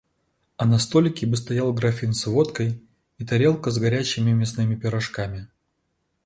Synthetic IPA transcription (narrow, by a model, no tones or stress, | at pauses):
ɐnɐst̪o̞lʲɪkʲɪbɨs̬t̪ɐjalˠɡɾɐfʲinsvo̞t̪kəj | it̪ɐɾʲe̞lˠkəzɡɐɾʲæt͡ɕːɪmʲɪmʲɪsnɨmʲɪpʲɪɾɐʂkamʲɪ